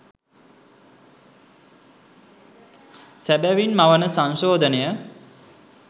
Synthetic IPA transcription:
sæbæʋinmaʋənəsãŋʃoːd̪ʱənejə

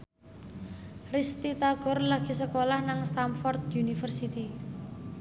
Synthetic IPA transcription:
rist̪it̪aɡ̥ɔ̤rlaɡ̥isəkolahnaŋst̪amfɔrt̪̚junifərsit̪i

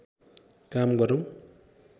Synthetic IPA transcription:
kamɡʌɾow̃

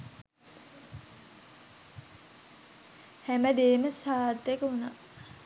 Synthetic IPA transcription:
hæməd̪eːməsaːt̪ːekəuna̰

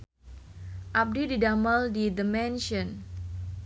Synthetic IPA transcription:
ʔap̚dididaməldid̪əmɛnʃɔn

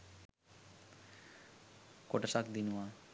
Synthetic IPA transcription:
koʈəsakd̪inuwa

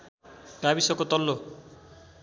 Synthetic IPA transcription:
kabisʌkot̪ʌlːo

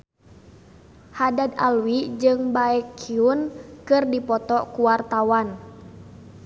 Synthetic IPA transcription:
hadad̪alwid͡ʒɨŋbaɛkʰːiunkɨrdipɔt̪ɔkuwart̪awan

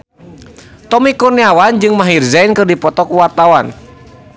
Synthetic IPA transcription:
t̪ɔmikuniawand͡ʒɨŋmaɦirzainkɨrdipɔt̪ɔkuwart̪awan

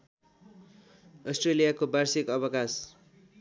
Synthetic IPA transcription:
ʌsʈrelijakobarsikʌbʌkas

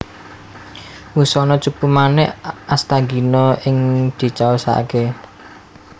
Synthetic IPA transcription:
wusɔnɔt͡ʃupumanɛʔast̪aɡi̤nɔɪŋd̪̥i̤t͡ʃaosa̰ke

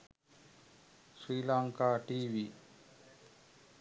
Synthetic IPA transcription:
sɾiːlaŋkaːʈiːʋi

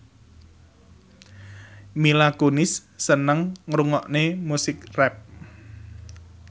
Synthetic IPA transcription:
milakonɪsːənəŋːɾuŋɔʔnemusɪkrɛp̚

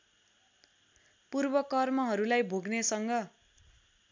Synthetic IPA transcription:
purbʌkʌrmʌɦʌɾulajbʱoɡnesʌŋɡʌ

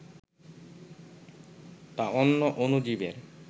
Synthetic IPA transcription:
t̪aonːoʔonud͡ʑibeɾ

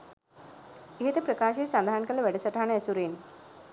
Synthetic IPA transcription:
iɦet̪epɾəkaɕesad̪ʱankəlːəʋɛɽəsəʈʰaɳ̃eəsuɾen

